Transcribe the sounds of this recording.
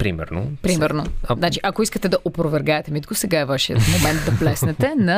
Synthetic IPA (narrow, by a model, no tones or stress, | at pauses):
pɾimɛ̰ɾno̰pɾimɛɾnoznat͡ʃiʔɐkoiskət̪ɛd̪ɐʔopɾovɛɾɡaɛt̪ɛmit̪kosɛɡaɛvaʃiə̰t̪momɛnt̪̚d̪ɐplɛsnɛt̪ɛnɐ